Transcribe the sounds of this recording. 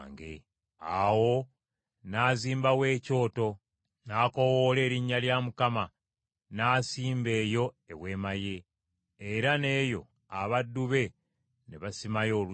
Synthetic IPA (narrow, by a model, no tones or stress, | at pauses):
ŋɡḛ | awo̞ | naːziːmbawe̞ːco̞ːto̞ | naːko̞woːle̞ːɾiɲːaljamukama | naːsiːmbe̞ːjo̞ | e̞βwe̞ːmaje̞ː | ɾane̞ːjo̞̰ | aβadːuβe̞ | neβasimajo̞ːlu